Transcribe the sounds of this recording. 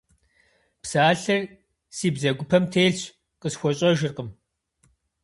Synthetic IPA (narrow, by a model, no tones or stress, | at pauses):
psaːɬɐr | siːbzɐɡʷʊpʰɐmtʰeːɮt͡ɕʰ | qʼəsxʷɔɕʼɐʒɪrqʼəm